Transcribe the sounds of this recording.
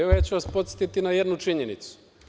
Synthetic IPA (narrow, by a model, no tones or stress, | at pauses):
ɛjet͡ɕuʋaspot̪se̥t̪it̪inajed̪nut͡ʃiɲenit̪su̥